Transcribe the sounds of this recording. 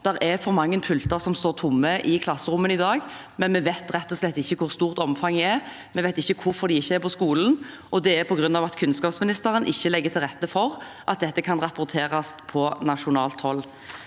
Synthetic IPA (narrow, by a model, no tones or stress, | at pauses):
d̪̥ɛʁɛfɔɾmɑŋːənpʰʉlt̪əʁsɔmst̪oːʁt̪ʰʊmːəʔɪkʰlɑsːəʁʊmːənɪd̪ɑːɡ | mɛnmɛʋæɪt̪ʁɛt̪ːɔslɛt̪ːɪçːəkʰʊʁst̪uːʁt̪ɔmfɑŋːɛɛʁ | mɛʋæɪt̪ɪçːəkʰʊɾfɔʁd̪ɪɪçːəæɾpʰɔskuːln̩ | ʔɔd̪ɛɛɾpʰɔɡʁʉnːɑʋɑt̪kʰʉnskɑːpsmɪnɪst̪əɾənʔɪçːəlɛɡːət̪ʰɪlʁɛt̪ːəfɔʁʔɑ̰t̪̚d̪ɛt̪ːəkʰɑnʁɑpʊɾt̪ʰeːʁɑspʰɔnɑʂʊnɑːlt̪hɔlː